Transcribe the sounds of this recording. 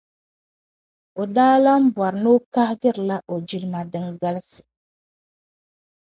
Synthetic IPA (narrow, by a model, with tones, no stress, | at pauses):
o˨daː˦la˦m̩˦bwa˨ɾno˦ka˦hɡɨ˦ɾla˦ʔo˨d͡ʒi˦lma˨dɨ˦ŋɡa˦lsɨ̥˨